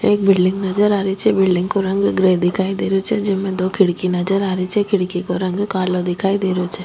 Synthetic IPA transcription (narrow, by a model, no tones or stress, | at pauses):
eːk̚bɪlɖɪ̃ŋɡnɐd͡ʒəɾaːɾit͡ʃʰɛbɪlɖɪ̃ŋɡkoɾɐ̃ŋɡɡɾeːd̪ɪkʰaːid̪eːɾot͡ʃʰɛd͡ʒɪmẽd̪oːkʰɪɽkinɐd͡ʒəɾaːɾit͡ʃʰɛkʰɪɽkikoɾɐ̃ŋɡkaːlod̪ɪkʰaːid̪eːɾot͡ʃʰɛ